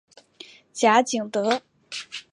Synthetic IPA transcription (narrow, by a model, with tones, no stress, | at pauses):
t͡ɕja˧˥t͡ɕi˨˩ŋt̪ɤ˧˥